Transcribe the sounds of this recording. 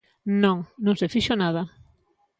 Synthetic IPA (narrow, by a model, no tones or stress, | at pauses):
nõŋnõŋsefiʃonað̞a